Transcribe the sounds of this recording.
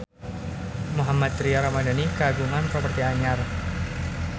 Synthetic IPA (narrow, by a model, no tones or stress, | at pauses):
muɦamat̪ɾiaɾamadanikəaɡuŋansəpərt̪iaɲar